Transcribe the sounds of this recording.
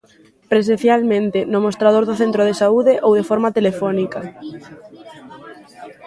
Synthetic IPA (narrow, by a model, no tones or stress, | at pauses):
pɾesẽnθjalmẽnt̪enomost̪ɾað̞oɾðʊθent̪ɾoð̞esauðeʔowðefoɾmat̪elefɔnika